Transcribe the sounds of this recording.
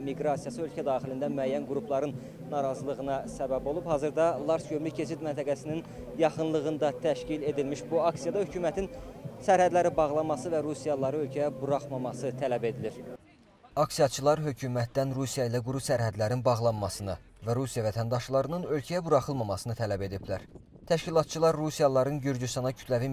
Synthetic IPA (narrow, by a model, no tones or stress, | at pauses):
miɡɾɑsijɑsɯø̞lcʰæd̪ɑːχilind̪æmyæjːænɡuɾupʰlˠɑɾɯnː | ɑɾɑzɯlˠɯɣɯnɑsæbæbo̞lˠubphɑːzɯɾd̪ɑlˠɑɾsɟømlycʰe̞t͡ʃʰit̪mænt̪ʰæɡæsinin | jɑχɯnlˠɯɣɯnd̪ɑt̪ʰæʃcile̞d̪ilmiʃbuɑksijɑd̪ɑhøcuːmæt̪ʰinsæɾhæd̪læɾibɑʁlˠɑnmɑsɯvæɾusijɑlˠɑɾɯø̞lcʰæjæbuɾɑχmɑmɑsɯt̪ʰælæbe̞d̪iliɾ | ɑksijɑt͡ʃʰɯlˠɑɾɦø̞cʰumæt̪̚d̪ænɾusijɑilæɡuɾusæɾɦæd̪læɾinbɑʁlˠɑnmɑsɯnɯ | væɾusijɑvæt̪ʰænd̪ɑʃlˠɑɾɯnɯnø̞lcʰæjæbuɾɑχɯlˠmɑmɑsɯnɯt̪ʰælæbe̞d̪iblæ̰ɾ | t̪ʰæʃcilˠɑt̪̚t͡ʃʰɯlˠɑɾːusijɑlˠɑɾɯnɟyɾd͡ʒyst̪ɑnɑcʰy̥t̪lævi